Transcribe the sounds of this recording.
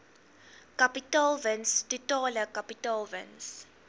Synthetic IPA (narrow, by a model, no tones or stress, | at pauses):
kapitalvənstutɔːləkapitalvə̰ns